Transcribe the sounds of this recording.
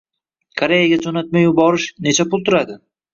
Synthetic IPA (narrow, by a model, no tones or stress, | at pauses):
kʰoɾe̞jaɡʲad͡ʒonat̪̚majʊbɒɾɪʃne̞t͡ʃʰapʊlˠt̪ʰʊɾad̪ɪ